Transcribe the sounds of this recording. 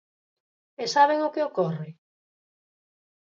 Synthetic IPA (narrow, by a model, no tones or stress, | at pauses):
esaβ̞eŋʊkeokorɪ